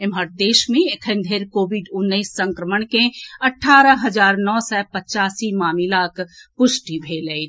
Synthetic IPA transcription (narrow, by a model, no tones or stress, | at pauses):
ɪməɾd̪eːʃmẽɪkʰənd̪ʱeɾkoːbɪɖʊnːəisːə̃ŋkɾəməɳkẽɐʈʰaːɾəɦɐd͡ʒaːɾnɔːsɛːpət͡ʃaːsimaːmilaːkʰpʊʃʈibʱeːle